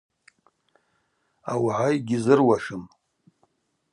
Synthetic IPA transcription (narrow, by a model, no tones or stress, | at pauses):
a̰wʕajɡʲɪzɨrwaʂɨm